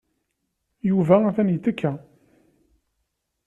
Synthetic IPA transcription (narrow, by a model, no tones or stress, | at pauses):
juvææθænjət̪ːəkːæ